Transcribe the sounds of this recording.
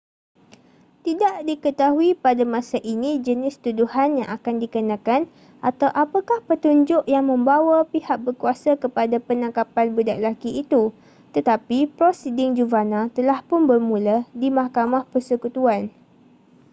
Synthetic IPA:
t̪idaʔdikət̪aɦuipadamãsaʔinĩd͡ʒənɪst̪uduhanjãŋʔakandikənãkan | ʔat̪awʔapakahpət̪uɲd͡ʒʊʔjaŋmə̃mbawapihak̚bərkuasakəpadapənãŋkapanbudaʔlakiʔːt̪u | t̪ət̪apipɾosidɪŋd͡ʒuvanãt̪əlahpʊnbərmũladimahkamahpərsəkut̪uan

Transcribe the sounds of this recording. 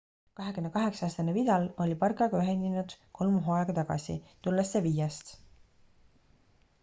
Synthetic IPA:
kɑɦe̞kymne̞kɑɦe̞ksɑɑːst̪ɑnevid̪̥ɑlo̞lʲipɑrkɑɡ̥ɑyɦeninud̪̥kʰo̞lmuɦoɑeɡɑt̪ɑɡ̥ɑ̰sḭt̪ulːesːevijɑst̪

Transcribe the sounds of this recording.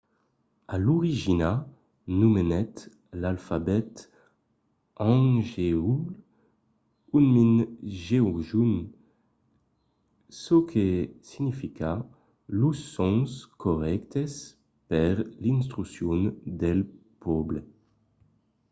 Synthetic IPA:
aluʁiʒina | numenɛt̪ | lalfabɛt̪ | ɑ̃ŋʒeul | unminʒeɔʒun | sokʰesinifika | lusːɔ̃nskɔʁɛkt̪es | pɛʁlins̬t̪ʁysjund̪ɛlpʰɔble

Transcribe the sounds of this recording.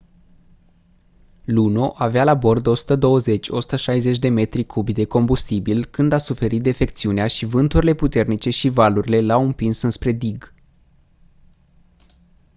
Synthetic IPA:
luno̞ʔavealabo̞rd̪o̞su̥t̪əd̪o̞wəze̞t͡ʃʲo̞̰su̥t̪əʃajze̞t͡ʃʲd̪e̞me̞t̪ɾikʰubd̪e̞ko̞mbust̪ibilkɨnd̪asufe̞ɾit̪̚d̪efe̞kt̪siuneaʃivɨnt̪uɾile̞put̪e̞rnit͡ʃe̞ʃivaluɾile̞lawɨmpinsɨnspɾe̞d̪iɡ

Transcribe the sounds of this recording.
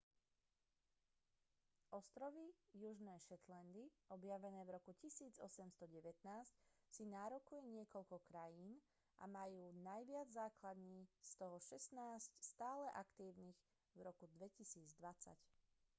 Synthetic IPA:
ʔɔst̪ɾɔʋijuʒnɛːʃɛt̪land̪iɔbjaʋɛnɛːvɾɔkucisiːd͡zɔ̰sɛmst̪ɔɟɛʋɛt̪naːscsinaːɾɔkujɛɲɪɛkɔʎkɔkɾajiːn | ʔa̰majuːnajʋɪad͡zzːaːklad̪ɲiːst̪ɔɦɔʃɛsnaːscst̪aːlɛʔakt̪iːʊniɣ | vɾɔkud̪ʋɛcisiːd͡zd̪ʋat͡sa̰c

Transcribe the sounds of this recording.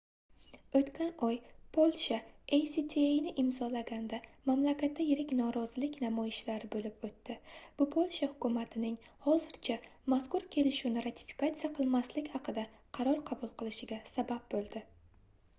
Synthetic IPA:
ot̪kʲʰanɒjpʰolˠʃaejsit̪ʰeejnɪʔɪmzɒlaɡʲand̪amamlakʲat̪ʰːajeɾɪkʲnɒɾɒzɪlɪkʲnamɒjɪʃlaɾɪbolɪpot̪ːɪb̥ʊpʰolˠʃahʊkʰʊmat̪ʰɪnɪŋhɒzɪɾt͡ʃʰamaskʊɾkʲʰe̞lɪʃunɪɾat̪ʰɪ̥fi̥kat̪sijaqʰɨlˠmaslɪkʲhɑqʰɨd̪a | qʰɑɾɒɾqʰɑbʊlˠqʰɨlˠɪʃɪɡʲasabab̚bolˠd̪ɪ

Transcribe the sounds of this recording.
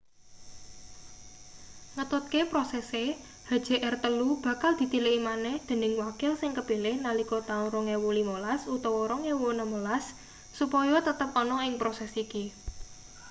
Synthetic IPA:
ŋət̪ʊt̪̚kepɾɔsɛse | ha̤d̥d͡ʒ̥e̤ʔɛrt̪əlub̥ä̤kald̪̥i̤t̪ileʔimanɛhd̪̥e̤nɪŋwakɪlsɪŋkəpelɪhnalikɔt̪aʊnɾɔŋewolimolasut̪ɔwɔɾɔŋewonəmolasː | upɔjɔt̪ət̪əp̚ɔnɔɪŋpɾɔsɛsiki

